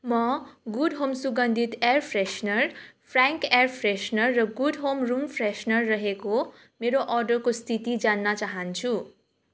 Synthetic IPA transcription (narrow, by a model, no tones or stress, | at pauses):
mʌɡuɖɦomsuɡʌnd̪ʱit̪erpʰresnʌrpʰraŋkerpʰresnʌrːʌɡuɖɦomrumpʰresnʌrːʌɦeko | meɾoʔʌrɖʌrkost̪ʰit̪id͡zanːʌt͡saɦʌnt͡sʰu